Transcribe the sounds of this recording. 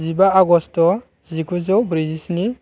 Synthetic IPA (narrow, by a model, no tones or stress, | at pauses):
zibaaɡɔstɔ | zikuzɔwbɾizisni